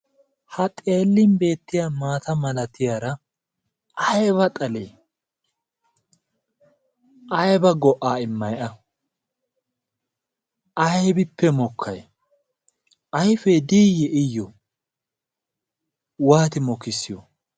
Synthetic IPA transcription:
hɐt̪ʼe̞ːlːɪnbe̞ːt̪ːɪjamaːt̪ɐmɐlɐt̪ɪjaːɾɐ | ʔɐjβɐt̪ʼɐle | ʔɐjbɐɡɔʔaːɪmːɐjʔɐ | ʔɐjbɪpːɛmɔkʰːɐj | ʔɐjfeːd̪iːjːɛʔɪjːɔ | waːt̪ɪmɔkːɪsːɪjɔ

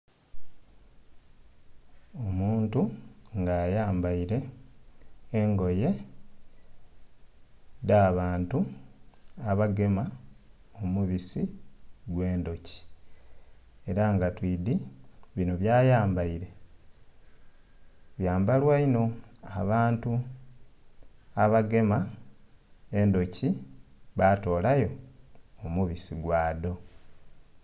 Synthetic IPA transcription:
omuːntuŋɡaːjaːmbaiɾe̞ | ŋɡo̞je̞ | daːβaːntu | aβaɡe̞ma | omuβisiɡwe̞ːndo̞ci̥ | e̞ɾaŋɡatwiːdiβinoβjaːjaːmbaiɾe̞ | βjaːmbalwaino̞a̰βaːntu | aβaɡe̞ma | e̞ndo̞ciβato̞ːlajo̞ː | muβisiɡwaːdo̞

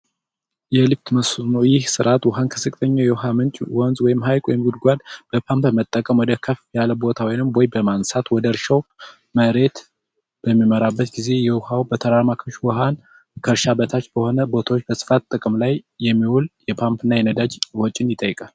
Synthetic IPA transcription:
jɛlɨbt̪məsnowjɪhsɨɾʔat̪wɔɦankʰɨsɨkʼt̪ʰʼəɲːawjɛwɦamɨnt͡ʃʼwɔnzwɔjɪmɦajkʼwɔjɪmɡud̪ɡʷad̪b̥əpʰampmət̪ʼːəkʼəmwɔd̪əkʰəfjaləbo̞t̪ʰawijnɨmɔjbəmansat̪wɔd̪əɾʃəw | məɾe̞t̪ | b̥əmːiməɾabːət̪ɡize̞jɛwʊhawbət̪ʰəɾaɾmakʰəʃwɔɦan | kʰəɾʃabət̪ʰat͡ʃːb̥əho̞nəbo̞t̪ʰawot͡ʃːb̥əsɨ̥fat̪ːʼɨkʼɨmlajːɛmːiwuljɛpʰampʰɨnːajɛnəd̪ad͡ʒwɔt͡ʃʼːɪnjɪt̪ʼəjːkʼal

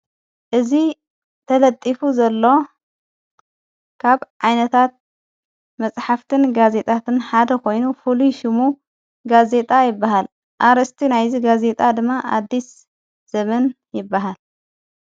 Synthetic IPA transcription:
ʔɨzi | t̪ʰɐlɐt̪ʼːifuzɐlːo̞ | kʰaβʕajnɐt̪ʰat̪̚ | mɐt͡sʼħaft̪ʰɨnɡaze̞t̪ʼat̪ʰɨnħad̪ɐko̞jnufuluʃɪmu | ɡaze̞t̪ʼajɪbːaɦal | ʔaɾɐst̪ʰinajziɡaze̞t̪ʼad̪ɨmːaʔa̰d̪ːis | z̥ɐmɐn | jɪbːaɦal

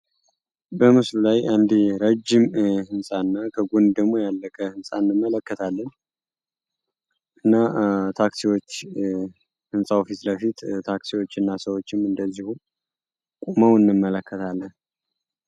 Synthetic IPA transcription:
bəmɨslulajʔand̪iɾəd͡ʒːɪmhɨnsʼaɨnːakʰəɡond̪d̪əɡmojalːəkʼəhɨnsʼa̰nːɨmːələkːət̪ʰalːən | ʔɨnːat̪ʰaksiwot͡ʃː | hɨnsʼaofit̪ləfit̪t̪ʰaksiwo̞t͡ʃːɨnːasəwo̞t͡ʃːɪmɨnd̪əzːihu | kʼuməwɨnːɨmːələkːət̪ʰalːən

